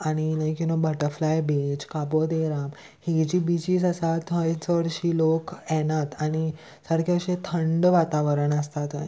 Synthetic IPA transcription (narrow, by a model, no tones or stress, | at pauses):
aɽ̃iləjkunobəʈəɾflajbed͡ʑkapod̪eɾam | hed͡ʑiːbid͡ʑiːd͡zəsat̪ɦət͡sʋəɽɕiːlokɛnat̪aɽ̃i | səɾkʰjaɕẽt̪ʰəɳɖʋat̪aʋəɾəɳəst̪at̪ə